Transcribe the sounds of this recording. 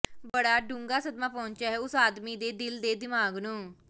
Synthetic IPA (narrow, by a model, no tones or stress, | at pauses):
bəɽaːɖũːŋɡaːsəd̪maːpɔ̃ːɲt͡ʃaːɦɛːʊsaːd̪miːd̪eːd̪ɪld̪eːd̪ɪmaːɡnũː